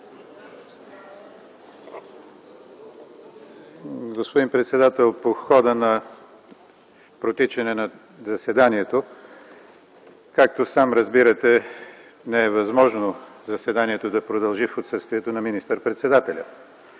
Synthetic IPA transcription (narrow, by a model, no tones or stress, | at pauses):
ɡospod̪inpɾɛt̪sɛd̪at̪ɛlˠpoxɔd̪ənɐ | pɾot̪it͡ʃɛnɛnɐ | zɐsɛd̪aniɛt̪o | kak̚t̪osamɾɐzbiɾət̪ɛ | nɛɛvɐzmɔʒnozɐsɛd̪aniɛt̪od̪ɐpɾod̪ɐlˠʒifot̪sɤst̪viɛt̪onɐminist̪əɾpɾɛt̪sɛd̪at̪ɛlʲə